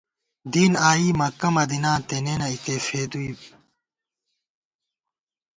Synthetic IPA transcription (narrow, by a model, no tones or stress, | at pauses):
d̪iːnaːiːmɐkɐmɐd̪inãːt̪eneːnɐit̪efeːd̪uib